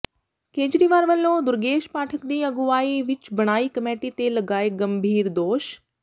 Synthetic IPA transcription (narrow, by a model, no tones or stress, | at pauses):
keːd͡ʒɾiːʋaːɾʋəlːõːd̪ʊɾɡeːʃpaːʈʰəkd̪iːəɡʊaːiːʋɪt͡ʃbəɽ̃aːiːkəmeːʈiːt̪eːləɡaːeːɡəmbʱiːɾd̪oːʃ